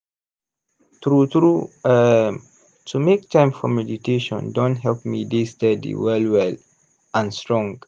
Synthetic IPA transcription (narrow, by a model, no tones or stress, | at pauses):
tɹutɹu | tʰumek̚tʰãɪ̃mfɔmɛditʰeʃɔ̰̃ndɔ̃ntɦɛlpmidistɛdḭwɛlwɛl | ãnstɹɔ̃ŋɡ